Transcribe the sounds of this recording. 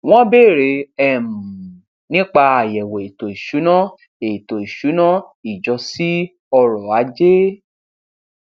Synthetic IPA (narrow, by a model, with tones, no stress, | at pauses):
w̃ɔ̃˦be˦˨ɾe˨˧˦ɛ˦˨m̩˨ | nĩ˦k͡pa˧a˨jɛ˨wɔ˨i˨to˨i˨ʃu˨˦nã˦ | e˨to˨i˨ʃu˨˦nã˦i˨d͡ʒɔ˧si˦ | ɔ˧ɾɔ˨a˨˦d͡ʒe˦